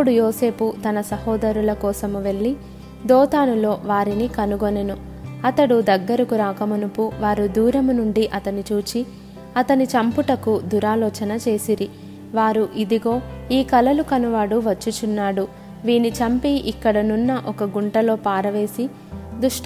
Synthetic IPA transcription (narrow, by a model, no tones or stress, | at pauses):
puɽujoːse̞ːput̪ɐnɐsɐhɔːd̪ɐɾulɐkɔːsɐmuʋe̞ɭːi | d̪ɔːt̪aːnulo̞ːʋaːɾinikɐnuɡonenu | ɐt̪ɐɽud̪ɐɡːɐɾɐkuɾaːkɐmɐnupuʋaːɾud̪uːɾɐmunuɳɖiʔɐt̪ɐnit͡ʃuːt͡ʃi | ɐt̪ɐnit͡ʃɐmpuʈɐkud̪uɾaːlɔːt͡ʃɐnɐt͡ʃe̞ːsiɾi | ʋaːɾuʔid̪iɡo̞ːiːkɐlɐlukɐnuʋaːɽuʋɐt͡ʃːut͡ʃunːaːɽu | ʋiːnit͡ʃɐmpiʔikːɐɽɐnunːɐʔɔkɐɡuɳʈɐlo̞ːpaːɾɐʋe̞ːsi | d̪uʂ